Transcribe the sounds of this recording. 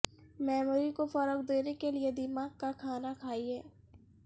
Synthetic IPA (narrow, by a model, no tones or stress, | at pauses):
mɛːmuːɾikofəɾəkd̪eːnekelied̪ɪmaːɡ̚kakʰaːnakʰaːiɦɛː